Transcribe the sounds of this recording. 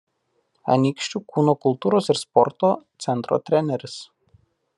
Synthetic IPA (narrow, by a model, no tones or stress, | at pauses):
ɐ̰nʲikʃʲt͡ʃʲuːkuːnoːkʊlˠt̪uːɾoːsɪɾspɔɾt̪oːt̪sʲɛnt̪ɾo̰ːt̪ʲɾʲɛnʲɛɾʲɪs